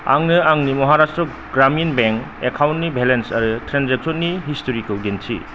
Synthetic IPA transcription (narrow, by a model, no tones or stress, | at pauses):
a̰ŋnɯaŋnimɔɦaɾastɾɔ | ɡɾaminbeŋk | ekʰawntnibʱelensɐɾɯtɾanzek̚sɔnːiɦistoɾikɔwdensʰḭ